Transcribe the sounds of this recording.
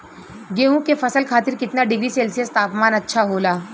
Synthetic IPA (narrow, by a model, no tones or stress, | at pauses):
ɡeːɦũkefɐsəlkʰaːt̪ɪɾkɪt̪naɖɪɡɾiseːlsijəst̪aːpmaːnɐtːʃʰaɦoːlaː